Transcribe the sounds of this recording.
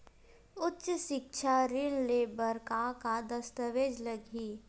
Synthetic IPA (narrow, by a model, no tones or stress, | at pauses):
ʊtːʃʃɪkʃʰaɾɪnleːbəɾkakad̪ɐst̪əʋeːd͡ʒləɡiː